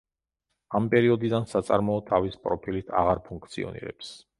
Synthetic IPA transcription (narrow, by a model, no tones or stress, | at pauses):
ampʼɛɾiɔd̪id̪ansat̪sʼaɾmɔɔt̪ʰavispʼɾɔpʰilit̪ʰa̰ʁaɾpʰuŋkʰt̪sʰḭɔ̰nḭɾɛ̰ps